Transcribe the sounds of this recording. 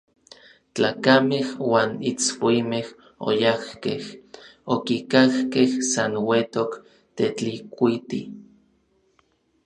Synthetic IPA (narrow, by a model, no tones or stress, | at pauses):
t͡ɬa̰ːkamehwaːnit͡swimeh | o̰jahkehokikahkehsanwet̪ok | t̪et͡ɬikʷit̪i